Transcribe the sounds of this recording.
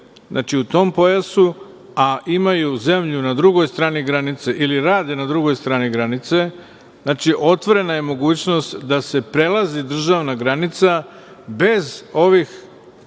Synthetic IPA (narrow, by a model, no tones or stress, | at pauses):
znʔa̰ːt͡ʃiut̪o̞ːmpo̞jasu | aʔimajuze̞mʎunad̪ɾuɡo̞jst̪ɾaːniɡɾanit̪seʔiliɾaːd̪enad̪ɾuɡo̞jst̪ɾaːniɡɾanit̪se̞ | znaːt͡ʃiʔo̞t̪ʋo̞ɾe̞naje̞mo̞ɡuːt͡ɕno̞st̪d̪ase̞pɾe̞lazid̪r̩ʒaʋnaɡɾanit̪sa | be̞zo̞ʋix